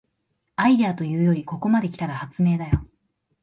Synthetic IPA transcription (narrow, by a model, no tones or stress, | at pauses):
aid̪e̞at̪o̞jɯ̟ːjo̞ɾʲiko̞ko̞mad̪e̞kʲi̥t̪aɾahat͡sɨme̞ːd̪ajo̞